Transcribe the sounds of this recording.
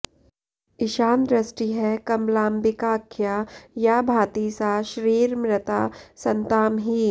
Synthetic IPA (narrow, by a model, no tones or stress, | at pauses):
ɪʃaːnd̪ɾɐsʈiɦɛkɐmlaːmbɪkaːkʰjajabʱaːt̪iːsaʃɾiːɾmɾɪt̪aːsɐ̃nt̪aːmɦiː